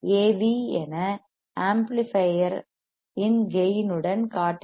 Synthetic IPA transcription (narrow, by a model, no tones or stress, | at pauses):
eːʋiɛnɐ | aːmplɪfɐjɐɾ | ɪnʋɛjnɯɽɐnkaːʈː